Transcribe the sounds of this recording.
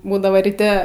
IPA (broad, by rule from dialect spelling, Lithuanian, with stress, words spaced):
ˈbuːdɐʋoː rʲiːˈtʲɛ